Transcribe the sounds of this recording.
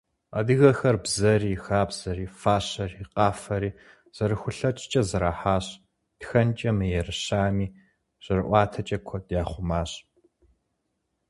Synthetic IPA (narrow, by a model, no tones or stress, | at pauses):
ɐ̰dɨɣɐxɐrbzɐriːxaːbz̥ɐɾiːfaːɕɐriqʼaːfɐɾiː | z̥ɐɾɨxʷʊɬɐt͡ʃʼɪt͡ʃʼɐzɐɾaːħaːɕ | txɐnt͡ʃʼɐmɨjɛrɨɕaːmiː | ɕʼɪrɨʔʷɑːtʰɐt͡ʃʼɐkʷʰɔtʼjaːχʷʊmaːɕ